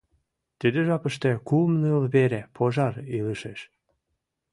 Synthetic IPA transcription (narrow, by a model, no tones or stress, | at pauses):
t̪id̪eʒɑpəʃt̪ĕkumnəlβeɾepʰoʒɑɾiləʃeʃ